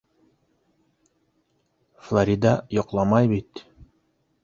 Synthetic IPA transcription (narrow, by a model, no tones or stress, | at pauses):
flˠaɾʲid̪ɑjɒqlˠɑmɑjbit̪